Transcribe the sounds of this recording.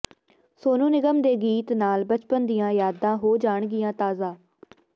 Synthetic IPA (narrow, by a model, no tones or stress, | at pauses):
soːnũːnɪɡəmd̪eːɡiːt̪naːlbət͡ʃpənd̪ɪjãːjaːd̪ãːɦoːd͡ʒaːɳɡɪjãːt̪aːzãː